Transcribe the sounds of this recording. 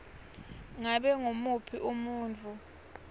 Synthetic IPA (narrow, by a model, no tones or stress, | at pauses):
ŋaɓɛŋomupʰiʔumuːnt͡fʰʼu